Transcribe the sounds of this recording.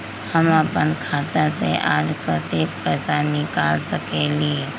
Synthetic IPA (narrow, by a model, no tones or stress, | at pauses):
həməpənkʰaːt̪əsḛʔaːd͡ʒpət̪eːk̚pɛsanɪkaːlsəkelie